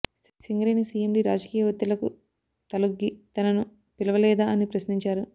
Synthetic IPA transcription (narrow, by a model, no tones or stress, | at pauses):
siŋɡɾeːnisiːemɖiːɾaːd͡ʒɐkiːjɐʋɐt̪ːilɐkṵ | t̪ɐluɡːit̪ɐnɐnu | pilɐʋɐlɛːd̪aːɐnipɾɐsniɲt͡ʃaːɾu